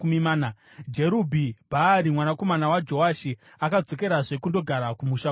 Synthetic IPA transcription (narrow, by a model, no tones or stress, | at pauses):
umimaːna | d͡ʒeɾubʱibʱaːɾimwanako̞manawad͡ʒo̞aʃi | akad͡zo̞ke̞ɾaʐe̞kundo̞ɡʱaɾakumuʃa